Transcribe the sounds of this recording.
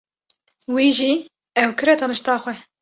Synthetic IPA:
wiːʒiː | ɛwkʰɨɾɛt̪ʰɑnɨʃt̪ɑːxʷɛ

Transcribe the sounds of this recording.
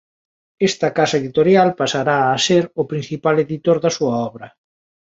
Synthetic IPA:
est̪ɐkasaeðit̪oɾjalpasaɾaːseɾʊpɾin̟θipaleðit̪oɾðɐsuɐɔβɾɐ

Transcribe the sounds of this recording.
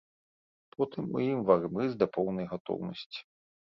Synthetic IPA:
pɔt̪ɨmːɨ̰jimvarmɨzʲd̪ɐpɔwnɐjɣat̪ɔ̰wnɐ̰sʲt͡sʲi̥

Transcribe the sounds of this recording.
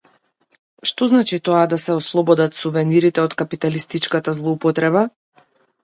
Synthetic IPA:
ʃt̪ɔznat͡ʃit̪ɔad̪asɛɔslˠɔbɔd̪at̪suvɛniɾit̪ɛɔt̪kapit̪alist̪it͡ʃkat̪azlˠɔupɔt̪ɾɛba

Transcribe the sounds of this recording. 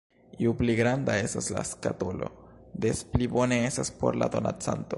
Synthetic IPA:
iupliɡɾandae̞stasla̰skatolo̞̰d̪e̞splibo̞ne̞estaspo̞ɾla̰d̪o̞na̰t͡sa̰nto̞

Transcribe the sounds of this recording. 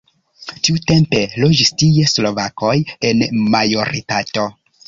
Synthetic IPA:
tiute̞mpe̞lo̞d͡ʒistije̞slo̞vako̞jenmajo̞ɾitato̞

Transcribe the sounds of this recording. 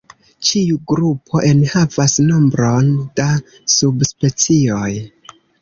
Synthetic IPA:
t͡ʃiuɡɾupʰo̞ʔe̞nhavasno̞mbɾo̞nd̥a | subspe̞t͡sio̞j

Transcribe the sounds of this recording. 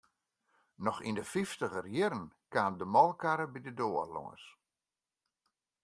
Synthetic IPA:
nɔxḭndəfiftəɣərjɪɾənkaːndəmɔlˠkaɾəbidədoːə̰lɔ̰ŋə̰s

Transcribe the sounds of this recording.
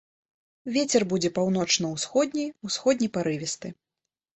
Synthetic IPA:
vʲet͡sʲɛrbud͡zʲɛpawnɔt͡ʂnɐwsxɔd̪ʲnʲijusxɔd̪̚ʲnʲijpaɾɨvʲɛst̪ɨ

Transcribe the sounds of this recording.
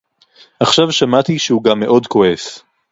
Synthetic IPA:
ʔaχʃavʃamat̪iʃehuɡamːe̞ʔo̞dko̞es

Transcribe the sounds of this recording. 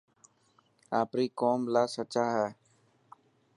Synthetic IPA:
aːpɾiːkoːmlaːsət͡ʃaːɦɛː

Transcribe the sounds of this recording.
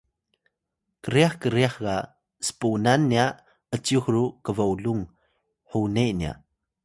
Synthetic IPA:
kəɾiaħkəɾiaħɡa | sə̥punanːia | ət͡siuxrukəvauluŋ | ħunenia̰

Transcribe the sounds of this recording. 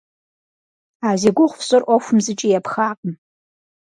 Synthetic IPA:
aːzeɡʷʊχʷfɕʼɨrʔʷɔxʷʊmzɨt͡ʃʼijapʰxaːqʼəm

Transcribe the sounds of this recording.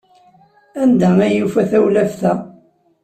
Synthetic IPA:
ænd̪ææjufæθæwlæfθæ

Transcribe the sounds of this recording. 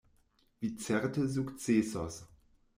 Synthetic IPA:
viːt͡sɛʁtəzuːktt͡seːsɔs

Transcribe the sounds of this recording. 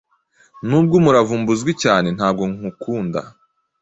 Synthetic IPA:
nuːbɡomuɾavuːmbuzɡwicaːne̞nhaːb̚ɡo̞ŋukuːnda̰

